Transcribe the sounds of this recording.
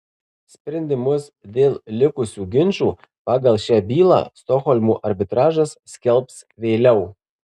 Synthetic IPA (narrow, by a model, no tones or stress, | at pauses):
sʲpʲɾʲɛnʲd̪ʲɪmʊsd̪ʲeːlʲˠlʲɪkʊsʲuːɡʲɪnʲʃuː | pɑːɡɐlˠʃʲæːbʲiːlˠɑ̰ːst̪ɔxɔlʲmuːʔɐɾʲbʲɪt̪ɾɑːʒɐsːʲkʲɛlʲˠps | ʋʲeːlʲɛʊ